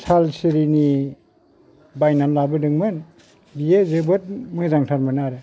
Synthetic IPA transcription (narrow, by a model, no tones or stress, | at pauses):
sʰalsiɾini | bajnanlabɯdɯŋmɯn | bijezebɯt̚mɯzaŋtʰalmɯnaɾe